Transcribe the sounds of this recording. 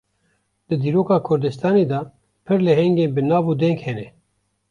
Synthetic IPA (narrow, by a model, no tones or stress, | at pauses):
d̪ɨd̪iːɾoːkɑːkʰʊɾd̪ɨst̪ɑːneːd̪ɑː | pʰɨɾlɛɦɛŋɡeːnbɨnɑːvuːd̪ɛŋkhɛnɛ